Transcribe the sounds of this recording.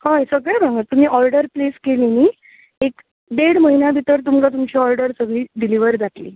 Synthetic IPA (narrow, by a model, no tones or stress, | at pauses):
hajsəɡɭẽbʱãŋɡət̪um̤iːʔɔɾɖəɾpleskeliniː | ek | d̪eɽməɦinjabʱit̪əɾt̪umlat̪̬umt͡ɕiɔɾɖəɾsəɡɭiːɖiliʋəɾd͡zat̪lḭː